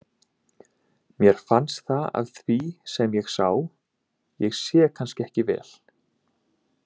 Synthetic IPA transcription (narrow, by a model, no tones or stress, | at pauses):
mjɛɾ̥fanst̪θaa̰ðθvisɛmjɛɣsaw | jɛɣsjɛkʰanscɪɛhcɪvɛ̰ːl̥